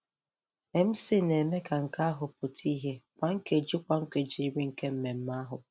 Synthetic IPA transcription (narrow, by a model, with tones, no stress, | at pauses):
e˨m̩˦sɪ˦ne˨me˦ka˨ŋ̩˨ka˦a˦ɦʊ˨pʊ˨tʰi˦ɦe˦kʷa˨ŋ̩˦ke˨d͡ʒi˦kʷa˨ŋ̩˦kʷe˨d͡ʒi˦ɾi˦ŋ̩˨ke˦m̩˦me˨m̩˦ma˦ɦʊ˨